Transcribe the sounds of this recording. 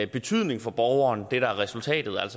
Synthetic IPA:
b̥e̝t͡sʰyð̞̰ˠne̝ŋfɒ̽b̥ɒʊɐːnd̥e̝d̥ææʁɛsult͡sʰɛ̰ːd̥ð̞̩ˠæl̰sɒ

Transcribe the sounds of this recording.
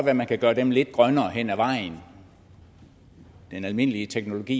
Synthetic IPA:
ʋæɐmænkʰæɡ̥ɶːɐd̥emle̝d̥̚ɡ̥ʁɶnɐːɦen̰æʋɑ̈ɪ̰n | d̥enælme̝n̰əliət͡sʰeɡ̥no̝lo̝ɡ̥ḭː

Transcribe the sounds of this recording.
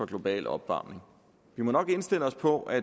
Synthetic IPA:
ɒ̽ɡ̥lo̝b̥ɛ̰ːlɒ̽b̥ʋɑ̰̈ːmne̝ŋ | ʋimɒ̽nɒ̽ɡ̥e̝nsd̥e̝l̰əɒ̽spʰɒ̽ʔæ

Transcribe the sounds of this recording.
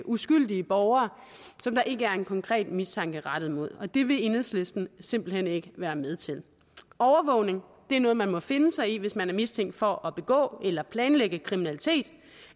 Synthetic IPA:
ʔusɡ̥yl̰d̥iəb̥ɒʊɐː | sɒ̽md̥ɑ̈ʔe̝ɡ̥əæɐe̝nkʰɒ̽ŋkʰʁɛ̰ːd̥mist͡sʰɑ̈ŋ̰ɡ̥əʁɑd̥ð̩ˠmo̝ð̞̰ˠɒ̽d̥e̝ʋe̝e̝nð̩ˠsle̝sd̥n̩sem̰b̥l̩hen̰e̝ɡ̥əʋæːɐmeð̞ˠt͡sʰe̝l | ʔɒʊɐʋɔ̽ʊne̝ŋ | d̥e̝æɐnɔːð̩ˠmænmɒ̽fe̝nəsɑ̈ɪiʋe̝smænæɐmist͡sʰeŋ̰ɡd̥fɒ̽ʔɒ̽b̥e̝ɡ̥ɔ̰̽ːelɐpʰlɛːnleɡ̥əkʰʁiminælit͡sʰe̝̰ːd̥

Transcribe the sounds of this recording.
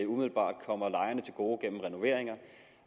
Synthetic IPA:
umiðˠl̩b̥ɑ̰̈ːd̥̚kʰɒ̽m̰ɐlɑ̈ɪɐnət͡sʰe̝lɡ̥o̝ːɡ̥en̰m̩ʁɛno̝ʋe̝ɐ̰e̝ŋɐ

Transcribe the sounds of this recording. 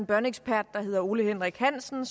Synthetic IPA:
nb̥ɶɐneɡ̥sb̥ʰæɐ̰d̥̚ːɑ̈he̝ð̞ˠɐo̝ːləhenʁiɡ̥hæn̰sn̩s

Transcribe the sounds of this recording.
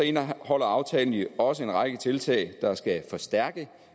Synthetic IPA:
enhɒ̽l̰ɐɑ̈ʊt͡sʰɛ̰ːln̩iɒ̽səe̝nʁɑ̈ɡ̥ət͡sʰe̝lt͡sʰɛ̰ːɪd̥ɑ̈sɡ̥æfɒ̽sd̥æɐɡ̥ə

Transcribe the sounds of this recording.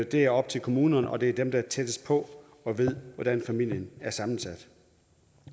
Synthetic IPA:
d̥e̝æɐɒ̽b̥̚t͡sʰe̝lkʰo̝muːnɐnʔɒ̽d̥e̝æɐd̥emd̥ɑ̈t͡sʰed̥əspʰɒ̽ | ɒ̽ʋe̝ð̰ˠʋɒd̥ænfæmil̰jənæɐsɑ̈mn̩sæd̥

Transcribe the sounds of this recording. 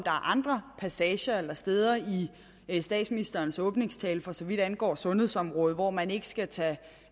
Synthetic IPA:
d̥ɑ̈æɐʔɑ̈nd̥ʁɐpʰæsɛɕɐelɐsd̥eð̞ˠɐi | sd̥ɛ̰ːd̥sminisd̥ɐːnsɔ̽ːb̥ne̝ŋst͡sʰɛːlfɒ̽sɒ̽ʋid̥ænɡ̥ɒ̰ːsɔ̽nhe̝ðˠsɒ̽mʁɔ̽ːð̞̩ˠʋɒmæne̝ɡ̥əsɡ̥æt͡sʰɛ

